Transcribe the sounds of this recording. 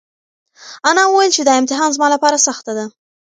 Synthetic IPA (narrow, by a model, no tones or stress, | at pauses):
anɑwəwajlt͡ʃed̪ɑɪmt̪ɪɦɑnzmɑlapɑɾasaxt̪ad̪a